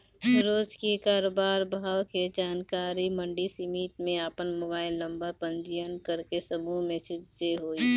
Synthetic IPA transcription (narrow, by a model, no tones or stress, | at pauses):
ɾoːd͡ʒkekaːɾoːbaːɾbʱaːwked͡ʒaːnkaːɾiməɳɖisimiːt̪mẽapənmoːbaːɪlːəmbapə̃nd͡ʒijənkəɾkesəmumeːsɪd͡ʒseɦoːi